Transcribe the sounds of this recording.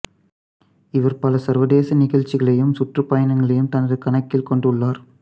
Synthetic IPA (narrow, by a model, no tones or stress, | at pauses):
ɪʋɐɾpɐlɐsɐɾʋɐðeːsɐnɪɣɐɻt͡ʃːɪɣɐɭɐjɯmsʊʈrɯpːɐjɐnɐŋɡɐɭɐjɯmt̪ɐnɐɾɯkɐɳɐkːɪlkɔɳɖɯɭːaːɾ